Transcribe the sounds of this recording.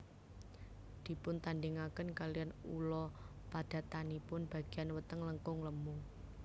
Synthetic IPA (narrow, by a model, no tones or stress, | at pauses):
d̪̥i̤pʊnt̪anɖɪŋakənkalijanṵlɔ | pad̪̥ä̤t̪anipʊnb̥ä̤ɡ̥i̤janwət̪əŋləŋkʊŋləmu